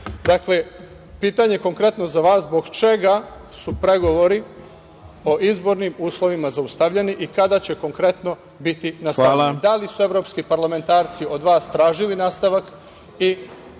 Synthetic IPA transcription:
d̪akle | piːt̪aɲeko̞ŋkɾe̞t̪no̞zaʋaːszbo̞ɡt͡ʃe̞ɡa | supɾe̞ɡo̞ʋo̞ɾi | o̞ʔizbo̞ɾnimuːslˠo̞ʋimazaust̪aʋʎe̞niʔikad̪at͡ɕe̞ko̞ŋkɾe̞t̪no̞ | bit̪inasaad̪alisue̞ʋɾo̞ːpskipaɾlˠame̞nt̪aːɾt̪sio̞d̪ʋaːst̪ɾaːʒilinaːst̪aʋak | i

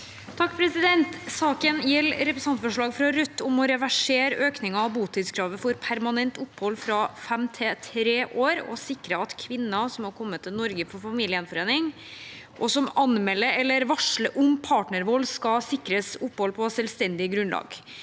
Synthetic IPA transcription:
t̪ʰɑkːpʰɾɛsɪd̪ɛnt̪sɑːkənjɛlɾɛpɾəsɑnt̪fɔʂɭɑːɡfɾɑɾœt̪ːʊmɔɾɛʋæʂeːɾøːknɪŋɑɑʋbuːt̪ʰɪːd̪skʰɾɑːʋəfɔɾpʰæɾmɑnɛnt̪ʊpːhɔlːfɾɑfɛmt̪ʰɪt̪ʰɾeːʔoːɾɔ̰sɪkːɾəɑt̪kʰʋɪnːɑsɔmhɑɾkʰɔmːət̪ʰːɪlnɔɾɡəfɔɾfɑmiːlɪənfɔɾeːnɪŋ | ʔɔsɔmɑnmɛlːəɛlːəɾʋɑʂɭəʔʊmpʰɑːʈɳəɾʋɔlskɑsɪkɾəsʊpːhɔlpʰɔsɛlʋst̪ɛnd̪ɪəɡɾʉnlɑ̰ːɡ̥

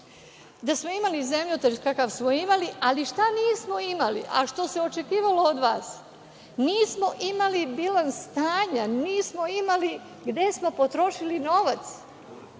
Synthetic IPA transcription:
d̪asmo̞imalize̞mʎot̪eʒkakaʋsmoimaliʔaliʃt̪aniːsmo̞imalḭʔa̰ʃt̪o̞se̞ot͡ʃe̞kiːʋalo̞od̪ʋaːs | niːsmo̞ʔimalibilansːt̪aːɲaniːsmo̞imali | ɡd̪e̞smo̞po̞t̪ɾo̞ʃilino̞ʋat̪s

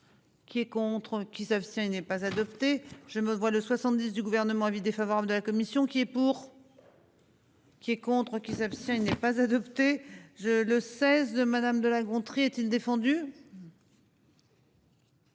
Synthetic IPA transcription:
kʲiɛkɔ̃t̪χkʲisapst̪jɛ̃inɛpazad̪ɔpt̪eʒ̥əməvwaləswasɑ̃t̪̚d̪is̬d̪yɡuvɛʁnəmɑ̃ãvid̪efavɔʁabləd̪əlakɔmisjɔ̃kʲiɛpuʁ | kʲiɛkɔ̃t̪χəkʲisapst̪jɛ̃inɛpazad̪ɔpt̪eʒələsɛzd̪əmad̪amd̪əlaɡɔ̃t̪χiɛt̪ild̪efɑ̃d̪y

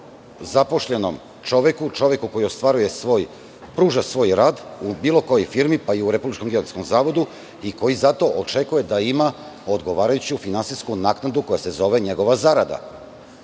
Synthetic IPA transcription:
zapo̞ʃʎe̞no̰m | t͡ʃo̞ʋe̞kut͡ʃo̞ʋje̞kuko̞jio̞st̪ʋaɾuje̞oj | pɾuːʒasʋo̞ːjɾaːd̪ubiːlˠo̞ko̞jo̞jfiɾmipaiuɾe̞publit͡ʃko̞mɡeosko̞mzaːʋo̞d̪u | iko̞jizat̪o̞ʔot͡ʃe̞kuje̞d̪aima | od̪ɡo̞ʋaːɾajut͡ɕiufinansiskunaːknad̪uko̞jase̞zo̞ʋe̞ɲe̞ɡo̞ʋazaɾad̪a̰

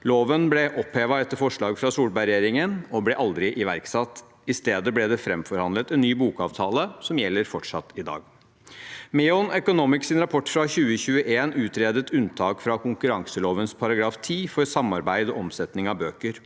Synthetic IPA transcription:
loːʋənblɛʔɔpheːʋɑɛt̪ːəɾfɔʂɭɑːɡfɾɑsuːlbæɪɾɛjeːɾɪŋənɔblɛʔɑld̪ɾɪʔɪʋæɾksɑt̪ː | ɪst̪eːd̪əblɛd̪ɛfɾɛmfɔɾhɑnd̪lət̪ɛnːyːbuːkɑːʋt̪ʰɑːləsɔmjɛlːəɾfɔʈʂɑt̪ːɪd̪ɑ̰ːɡ | mɛːɔnœkʊnuːmɪksɪnɾɑpʰɔʈːfɾɑçʉːəçʉːəʔeːnʉːt̪ɾeːd̪ət̪ʉnt̪ʰɑːkfɾɑkʊŋkʉɾɑŋsəloːʋənspʰɑɾɑɡɾɑːft̪ʰiːfɔɾsɑmːɑɾbæɪd̪ɔɔmsɛt̪nɪŋɑbøːkəɾ

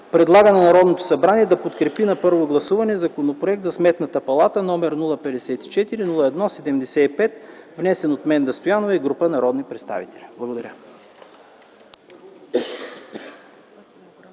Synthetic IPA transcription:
pɾɛd̪lˠaɡənɛnɐɾɔd̪not̪o̥sɐbɾaniɛd̪ɐpot̪kɾɛpinɐpɤɾvoɡlˠɐsuvɐnɛzɐkonopɾoɛk̚t̪zɐsmɛt̪nɐt̪əpɐlˠat̪ənɔmɛɾnulˠəpɛd̪ɛsɛt̪i̥t͡ʃɛt̪iɾinulˠəɛd̪nɔsɛd̪ɛmd̪ɛsɛipɛt̪vnɛsɛnot̪mɛnd̪ɐst̪ojanovəiɡɾupənɐɾɔd̪nipɾɛt̪st̪a̰vit̪ɛlʲiblˠɐɡod̪ɐɾʲə

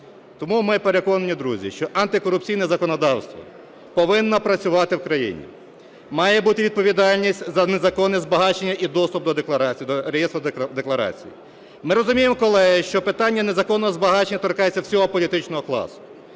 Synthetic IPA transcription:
t̪ɔmumɪpeɾe̞kɔnɐnʲid̪ɾuzʲḭʃt͡ʃɔʔɐnt̪ɪkɔɾʊp̚t͡sʲijnɐzɐkɔnɔd̪ɑwst̪ʋɔ̰ | pɔʋɪnːɐpɾɐt͡sʲʊʋɑt̪ɪwkɾɐjḭnʲḭ | mɑjɛbut̪ɪʋʲid̪̚pɔʋʲid̪ɑlʲnʲisʲtʲzɐnezɐkɔnɪzbɐɦɑt͡ʃenʲːɐʔid̪ɔst̪ʊp̚d̪ɔd̪ekˠɐɾʲd̪ɔɾejɛst̪ɾʊd̪eklˠɐɾɑ̰t͡sʲḭjḭ | mɪɾɔzʊmʲijemɔkɔlˠɛɦɪʃt͡ʃɔpɪt̪ɑnʲːɐnezɐkɔnːɔɦɔzbɐɦɑt͡ʃenʲːɐt̪ɔrkɑjet͡sʲːɐwsʲɔɦɔpɔlʲit̪ɪt͡ʃnɔɦɔklˠɑ̰sʊ̥

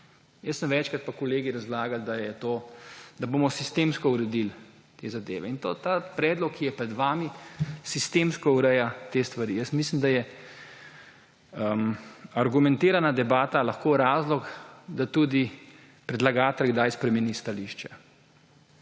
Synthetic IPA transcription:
jəsːəmʋɛt͡ʃkat̪̚pakɔleːɡiɾazlaːɡald̪ajɛt̪oːd̪aboːmɔsist̪emskɔuɾɛd̪il | t̪ezad̪ḛːʋɛint̪oːt̪apɾɛːd̪lɔkʰːijɛpɾɛd̪ʋaːmisist̪eːmskɔuɾɛjat̪eːst̪ʋaɾijəsmis̬limd̪ajɛ | əmaɾɡumɛ̃nt̪eːɾanad̪ɛbaːt̪alaxkoːɾaːzlɔkd̪at̪uːd̪i | pɾɛd̪laɡaːt̪ɛlɡd̪ajspɾɛmɛnist̪aliːʃt͡ʃɛ

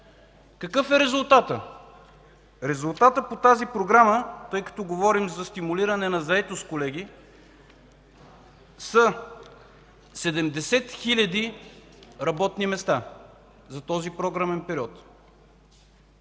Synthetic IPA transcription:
kɐkɤfɛɾɛzulˠt̪at̪ə | ɾɛzulˠt̪at̪əpot̪azipɾoɡɾamət̪ɤjkɐ̥t̪ɔɡovɔɾimzɐst̪imuliɾɐnɛnɐzɐɛt̪ost̪kolɛɡi | sɐ | sɛd̪ɛmd̪ɛsɛt̪xilʲɐd̪i | ɾɐbɔt̪nimɛst̪a | zɐt̪ɔzipɾoɡɾamɛnpɛɾiɔt̪

